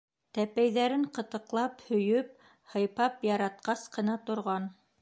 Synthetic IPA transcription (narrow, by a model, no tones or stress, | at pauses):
t̪æpæjðæɾɘŋqɤ̆t̪ɤ̆qlˠɑphɵ̆jɵp̚ | hɤ̆jpɑpjɑɾɑt̪̚qɑsqɤ̆nɑt̪ŏɾʁɑn